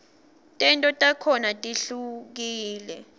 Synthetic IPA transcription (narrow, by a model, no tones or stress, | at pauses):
tʼɛntʼɔtʼakʰɔnatʼiɬuk̬iːlɛ̰